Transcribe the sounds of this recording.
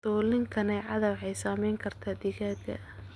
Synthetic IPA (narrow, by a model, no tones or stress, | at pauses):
d̪̥ɔːlɪŋkʰɐnɛʕɑðɐwħɛjsaːmɛjŋkʰɐrt̪ʰaːd̪ɪɣaːd̪ɡɐ̰